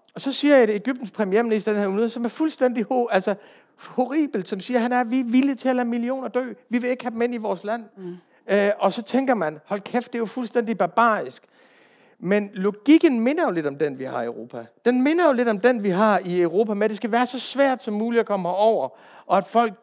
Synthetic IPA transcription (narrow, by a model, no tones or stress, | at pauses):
ɒ̽sɒ̽siːɐedeɡ̥yb̥̚d̥n̩spʰʁɛmije̝ɐminisd̥ɐd̥ehænunð̩ˠsɒ̽mæɐfulsd̥en̰d̥ihoælsɐ | ho̝ʁḭːb̥l̩d̥sɒ̽msiːɐɦænæɐʋiʋilət͡sʰe̝ælæmilio̝̰ːnɐd̥ø̰ːʋiʋe̝e̝ɡ̥hæd̥m̩e̝n̰iʋɒːslæn̰ | ʔɒ̽sɒ̽t͡sʰeŋɡ̥ɐmænhɒ̽lkʰefd̥e̝jofulsd̥en̰d̥ib̥ɑ̈b̥ɑ̰̈ːisɡ̥ | menlo̝ɡ̥iɡ̥ən̩me̝nɐjo̝le̝dɾ̥ɒ̽md̥enʋihɑ̈iəʊʁo̝ːpʰæd̥enme̝nɐjo̝le̝d̥ɒ̽md̥enʋiɦɑ̈iœʊʁo̝ːpʰæmenæd̥e̝sɡ̥æʋæːɐsɒ̽sʋæɐ̰d̥sɒ̽mːuːliɒkʰɒ̽mɐɒʊ̰ɐ | ʔɒ̽æd̥fɒ̽l̰ɡ̥̚